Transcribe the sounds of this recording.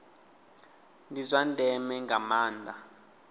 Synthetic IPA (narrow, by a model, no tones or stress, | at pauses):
ndizʷandʱɛmɛŋɡamaːndʱa